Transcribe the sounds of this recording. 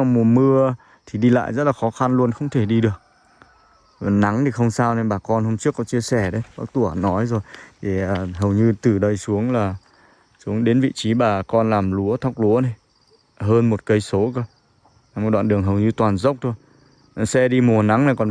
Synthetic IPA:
a˧mu˨˩əmɨ˧ə | t̪ʰi˨˩ɗi˧la̰ː˧˨jzə˦˥t̚laː˨˩xɔ˨˦xa˧nlu˧ənxə˧wŋ͡mt̪ʰe˧˩ɗi˧ɗɨ˨˩ək̚ | na˨˦ŋt̪ʰi˨˩xə˧wŋ͡msaː˧wne˧nɓaː˨˩kɔ˧nho˧mt͡ɕɨ˦˥kːɔ˨˦t͡ɕi˧əsɛ˧˩ɗə˨˦jɓaː˦˥k̚t̪u˧˩ə˩nɔ˨˦jzo˨˩jt̪e˨˩əː˨˩ɦə˨˩wɲɨ˧t̪ɨ˨˩ɗə˧jsu˨˦əŋlaː˨˩ | su˨˦əŋɗe˨˦nvḭ˧˨t͡ɕi˨˦ɓaː˨˩kɔ˧nlaː˨˩mlu˨˦ət̪ʰa˦˥wk͡p̚lu˨˦ənə˨˧˩j | ɦəː˧nmo˨˩t̚kə˧jso˨˦kə˧ | a˧˩m̚˨˩ɗwa̰ː˧˨nɗɨ˨˩əŋɦə˨˩wɲɨ˧t̪waː˨˩nzə˦˥wk͡p̚t̪ʰo˧j | sɛ˧ɗi˧mu˨˩əna˨˦ŋna˨˩kɔ˨˩n

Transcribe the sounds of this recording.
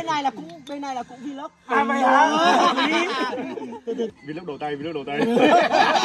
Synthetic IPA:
e˧nːa˧jlaː˨˩kʊ̰˧˥ŋ͡mɓe˧nːa˧jlaː˨˩kʊ̰˧˥ŋ͡mvi˧lo˦˥p̚a˨˧˨ | vi˧lo˦˥ɗo˨˩t̪a˧ji˧lə˦˥ɗo˨˩t̪a˧j

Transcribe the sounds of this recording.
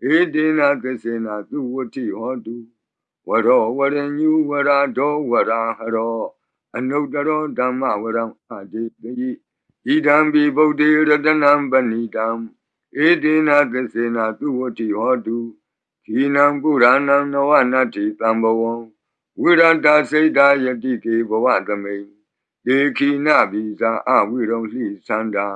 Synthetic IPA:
ʔe˦de˦na˨t̪ɪ˦˨se˨na˨t̪u˦˨wʊ˦˨tʰi˦˨hɔ˦du˨ | wə˨ɾɔ˨wə˨ɾɪ̃˨ɲu˦wə˨ɾa˨dɔ˦wə˨ɾa˨ɦə˨ɾɔ˨ | ʔə˨no˦˨tə˦ɾɔ˦dã˨ma̰˦˨wə˨ɾa˨a˨de˨tə˦ji˦˨ | ʔi˨dã˨mbi˨bo˦˨te˦˨˦ɾə˦də˦nã˦mbə˨ni˨dã˨m | ʔe˦te˦˨na˦˨t̪ɪ˦˨se˨na˦˨t̪u˦˨wo˦˨tʰi˦˨hɔ˦tu˨ | kʰi˨nã˨pu˦˨ɾa˦nã˦nə˨wa˦˨na˦˨tʰːi˨t̪ã˨mbə˨wõ˨ | wi˦˨ɾa˦˨tːa˨se˦ta˦jə˨tḭ˦˨k̪e˨bə˨wa̰˦˨t̪ə˨mẽ˨ɪ̃ | te˨kʰi˨na̰˦˨bi˨za˨ʔa̰˦˨wi˦˨ɾõ˦ʊ̃l̥ḭ˦˨sʰã˦nda˨

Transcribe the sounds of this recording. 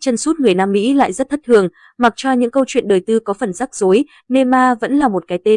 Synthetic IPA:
t͡ɕə˧nsu˦˥t̚ŋɨ˨˩əjnaː˧mːḭ˧˥la̰ː˧˨jzə˦˥t̚t̪ʰə˦˥t̚t̪ʰɨ˨˩əŋ | ma˨˩k̚t͡ɕɔ˧ɲɨ̰˧˥ŋkə˧wt͡ɕwḭ˧˨ənɗəː˨˩jt̪ɨ˧kɔ˨˦fə˨˩nzaː˦˥k̚zo˨˦j | ne˧maː˧və̰˧˥nlaː˨˩mo˨˩t̚kaː˨˦jt̪e˧

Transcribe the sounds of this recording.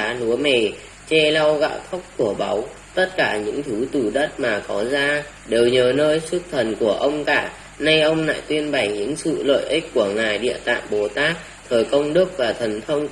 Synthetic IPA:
aː˨˦lu˨˦əme˨˩ | t͡ɕɛ˧la˧wɣa̰ː˧˨wt̪ʰə˦˥wk͡p̚ku˧˩əɓa˨˦w | t̪ə˦˥t̚kaː˧˩ɲɨ̰˧˥ŋt̪ʰɨ˨˦t̪u˨˩ɗə˦˥t̚maː˨˩kɔ˨˦zaː˧ | ɗe˨˩wɲəː˨˩nəː˧jsu˦˥p̚t̪ʰə˨˩nku˧˩əʔə˧wŋ͡mkaː˧˩ | na˧jʔə˧wŋ͡mna̰ː˧˨jt̪wi˧ənɓa˨˩jɲɨ̰˧˥ŋsɨ̰˧˨lə̰ː˧˨jʔi˦˥k̟̚ku˧˩əŋaː˨˩jɗḭ˧˨ət̪a̰ː˧˨ŋɓo˨˩t̪aː˦˥k̚ | t̪ʰəː˨˩jkə˧wŋ͡mɗɨ˦˥ək̚vaː˨˩t̪ʰə˨˩nt̪ʰə˧wŋ͡m

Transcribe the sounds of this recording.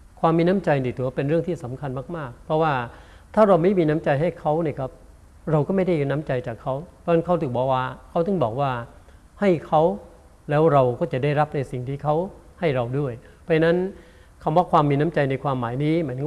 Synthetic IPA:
kʰwaː˧mːiː˧na˦˥mt͡ɕa˧jniː˨˩t̪u˩˦pe˧nɾɯ˥˩əŋt̪ʰiː˥˩sa˩˦mkʰa˧nmaː˥˩k̚maː˥˩k̚pʰɾɔ˦˥waː˥˩ | t̪ʰaː˥˩ɾa˧wma˥˩jmiː˧na˦˥mt͡ɕa˧jɦa˥˩jkʰa˦˥wni˧˩kʰa˦˥˩p̚ | ɾa˧wkɔː˥˩ma˥˩jda˥˩jna˦˥mt͡ɕa˧jt͡ɕaː˨˩kʰːa˦˥wpʰɔ˦˥˩a˦˥nkʰa˦˥wt̪ʰɯː˨˩k̚bɔː˧˩waː˧˩kʰa˦˥wt̪ɯ˥˩ŋbɔː˨˩k̚waː˥˩ | ha˥˩jkʰa˦˥w | lɛː˦˥wɾa˧wkɔː˥˩t͡ɕa˨˩da˥˩jɾa˦˥p̚na˧jsi˨˩ŋt̪ʰiː˥˩kʰa˦˥w | ha˥˩jɾa˧wdu˥˩əj | pʰɔ˦˥t͡ɕʰna˦˥n | kʰa˧˩waː˧˩kʰwaː˧mːiː˧na˦˥mt͡ɕa˧jna˧jkʰwaː˧mːaː˩˦jniː˦˥ma˨˦˧

